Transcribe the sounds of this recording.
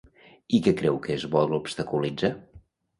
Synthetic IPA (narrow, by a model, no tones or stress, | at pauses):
ikɛkɾɛwkezβɔlˠupst̪əkulid͡za